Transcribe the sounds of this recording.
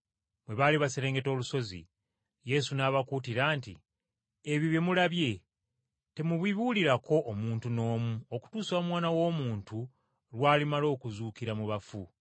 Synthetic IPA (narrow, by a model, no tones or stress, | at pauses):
mwe̞βaːliβaseɾe̞ːŋɡe̞to̞ːluso̞zḭ | je̞sunaβakuːtiɾaːntḭ | eβiβje̞mulaβje̞ | te̞muβwiβuliɾako̞ʔːmuːntuno̞ːmuoku̥tuːsaːmwaːnawo̞ːmuːntu | lwaːlimalo̞ːkuzuːkiɾamuβafu